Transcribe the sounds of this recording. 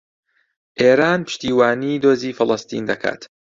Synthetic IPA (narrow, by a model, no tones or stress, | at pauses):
ʔeːɾaːnpʰɨ̥ʃt̪iːwaːniːd̪oːziːfɨlˠɐst̪ḭːnd̪ɐkʰa̰ːt̪